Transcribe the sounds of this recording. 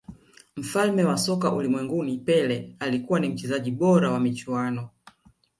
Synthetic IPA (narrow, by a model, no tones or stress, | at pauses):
m̩falmɛwasɔkaʔulimwɛŋɡunipɛlɛalikuwanim̩t͡ʃɛzaʄiɓɔɾawamit͡ʃuanɔ